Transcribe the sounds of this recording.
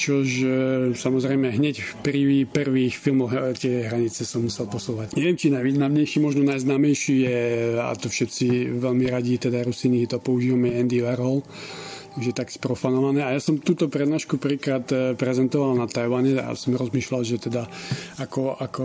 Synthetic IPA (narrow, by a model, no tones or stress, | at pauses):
t͡ʃɔʒsamɔzɾɛjmɛɦɲɛcpriʋiprʋiːxfilmɔɦt̪ɪɛɦɾaɲit͡sɛsɔmːusɛlpɔsuːʋacɲɛʋɪɛmt͡ʃinajʋiːznamɲɛjʃiːmɔʒnɔnajznaːmɛjʃijɛa̰t̪ɔfʃɛt̪t͡siʋɛʎmiɾaɟit̪ɛd̪aɾusiniɦɛt̪ɔpɔuʒiːʋamɛɛnd̪iʋɛɾɔl | ʒɛt̪akspɾɔfanɔʋanɛːajasɔmt̪uːt̪ɔpɾɛd̪naːʃkuprʋikɾaːt̪pɾɛzɛnt̪ɔʋalnat̪ajʋaɲɛa̰sɔmɾɔzmiːʃlalʒɛt̪ɛd̪aakɔʔakɔ